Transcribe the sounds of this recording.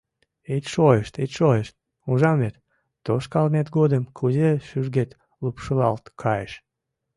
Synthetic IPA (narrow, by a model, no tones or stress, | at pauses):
ejt̪ʲʃojəʃt̪et̪ʲʃojəʃt̪̚ | uʒɑmvet̪ː | oʃkɑlmet̪ɡod̪əmkʰuzeʃyʒɡet̪ | lupʃəlɑ̰lt̪kʰɑjəʃ